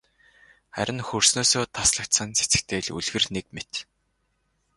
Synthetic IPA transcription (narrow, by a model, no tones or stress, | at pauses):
χæ̰ɾʲɪ̆nxɵrsnoːsoːt̪ʰasɮə̆kt̪sə̆nt͡se̥t͡sɘ̥̆kt̪ʰeːɮṵɮɣɘ̆rnekmet̪